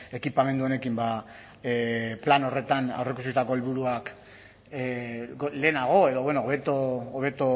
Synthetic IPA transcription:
e̞kipame̞nd̪uone̞kimba | plano̞re̞t̪ana̰wrek̬us̬ist̪ako̞elβuɾuak | ɡle̞ːnaɣ̞o̞e̞ðo̞βwenoβe̞t̪oːβ̞e̞t̪o

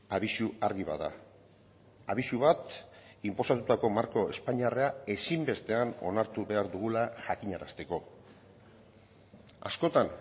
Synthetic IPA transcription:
aβisuaɾɣiβa̰ða̰ | aβisuβat̪impo̞sat̪ut̪ako̞maɾko̞e̞spaɲiareae̞simbe̞st̪e̞ano̞̰naɾt̪uβe̞aɾðuɣ̞ulaʝakiɲaɾast̪e̞ko̞ | a̰sko̞t̪an

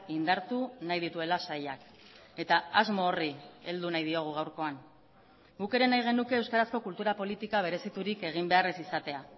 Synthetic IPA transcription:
ind̪aɾt̪unajð̞it̪ue̞lasajak | e̞t̪aazmo̞ːrie̞ld̪unajðio̞ɣ̞uɣ̞awɾko̞an | ɡuke̞ɾe̞najɣ̞e̞nuke̞ːwskaɾasko̞kult̪uɾapo̞lit̪ikaβ̞e̞ɾe̞sit̪uɾike̞ɣ̞imbe̞aresisat̪e̞a

